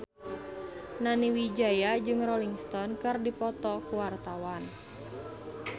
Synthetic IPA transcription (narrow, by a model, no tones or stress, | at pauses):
naniwid͡ʒajad͡ʒɨŋrɔliŋst̪ɔnkɨrdipɔt̪ɔkuwart̪awan